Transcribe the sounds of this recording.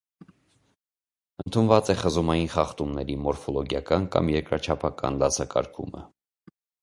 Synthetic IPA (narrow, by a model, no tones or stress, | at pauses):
ənt̪ʰunvɑt͡sɛχəzumɑjinχɑχt̪umnɛɾimɔɾfɔlɔɡjɑkɑnkɑ̰mjɛɾkɾɑt͡ʃʰɑpʰɑkɑ̰nlɑsɑkɑ̰ɾkʰumə̰